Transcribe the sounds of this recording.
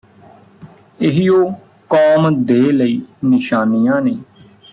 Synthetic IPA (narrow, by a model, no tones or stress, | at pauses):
ɪɦijoː | kɔːmd̪eːləiːnɪʃaːnijãːneː